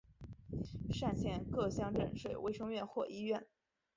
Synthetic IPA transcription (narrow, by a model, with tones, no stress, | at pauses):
ʂa˥˩nt͡ɕʰjɛ˧˥nkɤ˥˧ɕjɑ˥˧ŋʈ͡ʂə̰˥˩ŋʂwe˨˩ɪwe˥˩ɪʂɤ˥ŋɥɛ˥˧nxwɔ˥˩ʔi˥ɥɛ˥˩n